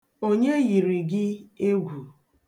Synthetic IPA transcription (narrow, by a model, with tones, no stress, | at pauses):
o˦ɲe˦ɣi˨ɾi˨ɡɪ˦e˦ɡʷu˨